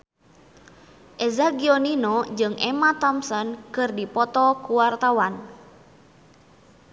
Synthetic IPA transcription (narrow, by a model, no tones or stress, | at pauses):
ʔɛzaɡiɔninɔd͡ʒɨŋʔɛmat̪ɔmsɔnkɨrdipɔt̪ɔkuwart̪awan